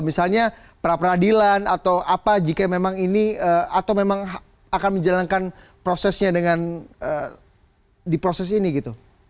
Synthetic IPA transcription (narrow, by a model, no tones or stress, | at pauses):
misalɲa | pəɾapəɾadilanat̪awʔapad͡ʒikamemaŋiniəat̪awmemaŋɦ | akanməɲd͡ʒalankan | pɾosɛsɲadəŋanə | dipɾosɛs̬iniɡit̪u